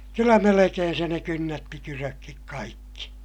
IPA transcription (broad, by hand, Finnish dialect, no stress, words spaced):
kylːæ melekeːn se ne kynːætːi kyrøkːik kɑikːi